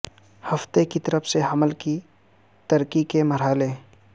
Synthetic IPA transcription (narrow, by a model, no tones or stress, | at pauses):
hɐft̪ekit̪əɾəfseɦɐməlki | t̪ɐɾkikemɐɾaːle